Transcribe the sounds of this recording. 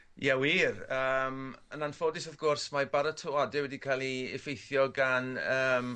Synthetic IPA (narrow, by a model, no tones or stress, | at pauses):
jɛwiːrəːmənanfodɪsaðɡʊrsmabaɾətʰɔadɛwɛdikʰaːlˠiɪ̰fejθjɔɡanəːm